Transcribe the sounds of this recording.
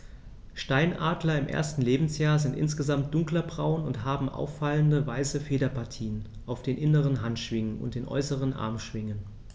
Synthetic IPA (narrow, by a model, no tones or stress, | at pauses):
ʃtaɪnʔaːdlɐɪmʔḛɐstn̩leːbm̩sjaːɐzɪntʔɪ̰nsɡ̥əzamt̚d̥ʊŋklɐbʁaʊənʊnthaːbm̩ʔa̰ʊfːaləndəvaɪsəfeːɾɐpʰaɐtʰiːən | ʔaʊfd̥eːnʔɪnəʁ̞ənɦantʃv̥ɪŋənʊ̰nt̚d̥eːnʔɔ̰ʏsəʁ̞ənʔa̰ɐmʃv̥ɪŋən